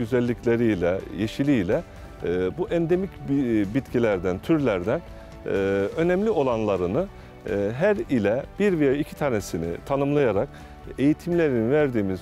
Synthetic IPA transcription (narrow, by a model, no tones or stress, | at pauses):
yzælʲːiclʲe̞ɾijlʲɛ̰jeʃilʲijlʲɛ | buʔɛnd̪e̞micbit̪cilʲæɾd̪ænt̪ʰyɾlʲæɾd̪ænː | ø̞nɛmlʲio̞lˠanlˠaɾɯnɯ | ɦæɾilʲɛb̥iɾvejaicʰi̥t̪ʰaːnesinḭt̪ʰanɯmlˠajaɾak̚ | e̞jit̪ʰimlʲe̞ɾinivæɾd̪iːmiz